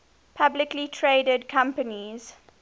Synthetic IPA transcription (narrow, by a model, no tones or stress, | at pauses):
pʰablɪklitʰɹeːdədkʰãmpəniz̥